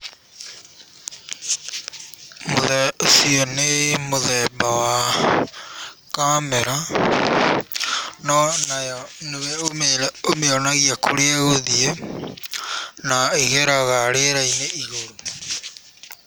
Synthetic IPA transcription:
moðɛsionemoðɛbawa | kamɛɾa | nɔnajɔnewɛomelɛomeɔnaɣiakoɾeaɣoðie | naeɣɛɾaɣaɾeɾaineiɣo

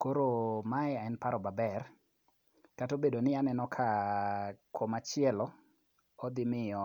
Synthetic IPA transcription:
koɾomaɛɛnpaɾɔbabɛr | katobedonɪanɛnɔkʰa | komat͡ʃɪɛlɔ | ɔd̪ɪmɪɔ

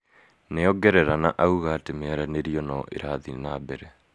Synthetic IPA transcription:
neɔɡɛɾɛɾanaʔauɣatemeaɾaneɾiɔnɔʔḛɾaðinabɛɾɛ

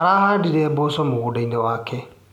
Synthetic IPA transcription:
aɾaːhaːdiɾɛːbosɔmoɣodainɛwaːkʰɛ

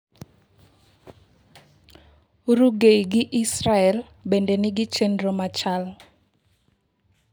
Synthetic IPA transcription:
ɾuɡejɡɪʔisraɛl | bɛndenɪɡɪt͡ʃenromat͡ʃal

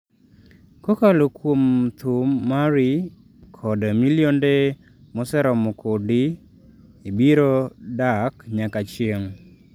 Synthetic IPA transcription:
kɔkalokwomt̪umːaɾi | kʰɔdamiljonde | mɔsɛɾɔmɔkʰodɪ | ibiɾodakɲakat͡ʃjeŋ

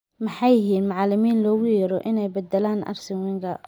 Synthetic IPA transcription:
mɑħɑjɪɦiːnmʊʕɑlɪmiːnlɔːɣʊjɐɾɔʔɪnɛjbɐd̪ɛlaːnʔɐ̰rsɪwɪŋkʰɐ

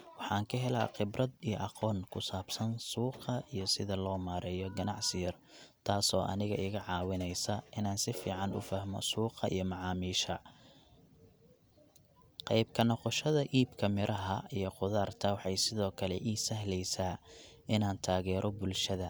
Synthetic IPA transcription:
wɑħɑːŋkʰɐɦɛlɐqɪbrɐd̪ijɔʔɑqɔːnkʰʊsaːb̥sɐnsuːqɐijɞsɪðɐlɔːmaːɾʔɛːjɔɡɐnɑʕsɪjɐr | t̪ʰaːsɔːʔɐ̰nɪɣɐɪɣɐʕɑːwɪnɛjsɐʔɪnaːnsɪfiːʕɑnʊ̰fɐhmɔ̰suːqɑḭjɞmɑʕɑːmiːʃɐ | qɑjb̚kʰɐnɔqɔʃɐðɐʔiːbkʰɐmɪɾʔɐɦɐijɔqʊðaːrt̪ʰɐwɑħɑjsɪðɔːkʰɐlɛʔiːsɐhlɛjsaːɪnaːnt̪ʰaːɣɛːɾʔɔbʊlʃɐðɐ

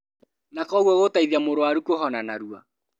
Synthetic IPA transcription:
nakɔɣwɔɣotaiðiamoɾowaɾukoɦɔnanaɾua̰

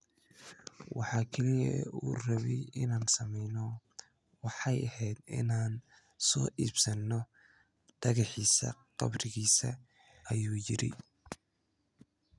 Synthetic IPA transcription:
wɑħɑːkʰɛlɪjɐuːrɐβɪɪnaːnsɐmɛjnɔ | wɑħɑjɐhɛjd̪ɪ̰naːn | sɔːʔiːbsɐnːɔ | d̪̥ɐɣɑħiːsɐ̰qɑ̰brɪɣiːsɐ | ʔɐjuːjɪɾɛ̰j

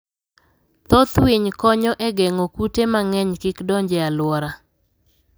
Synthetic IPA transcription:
t̪ot̪wiɲkɔɲɔʔeɡɛŋokutemaŋɛɲkɪkdɔɲd͡ʒɛalwɔɾa

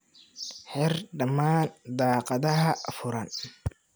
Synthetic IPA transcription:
ħɪrɖɐmaːnd̪aːqɑðɐɦɐfʊɾɐn

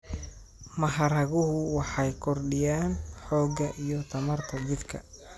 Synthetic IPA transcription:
mɐɦɐɾɐɣʊɦʊwɑħɑjkʰɔrɖɪjaːnħɔːɡɐʔijɔt̪ʰɐmɐrt̪ʰɐt͡ʃɪd̪kʰɐ̰

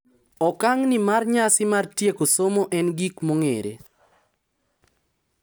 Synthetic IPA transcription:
ɔkaŋnɪmarɲasɪmartjekosomoʔɛnɡikmoŋeɾḛ

